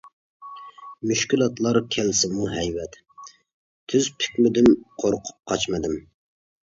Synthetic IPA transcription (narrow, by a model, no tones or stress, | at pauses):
myʃkʲilˠɑt̪lˠɑɾkʲʰɛlsɪmuɦɛjwɛt̪ | t̪ʰyzpʰɪ̥kʲmɪd̪ymqʰoɾqʰʊ̥p̚qʰɑt͡ʃmɨd̪ɪm